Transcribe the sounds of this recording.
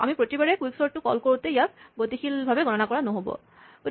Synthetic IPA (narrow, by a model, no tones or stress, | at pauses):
a̰mipɹotibaɹɛkwiksɔɹtːʊkɔ̰lkoɹutɛijak̚botixʰilbʱabɛɡɔnɔnakɔɹanoɦobɔ̰ | o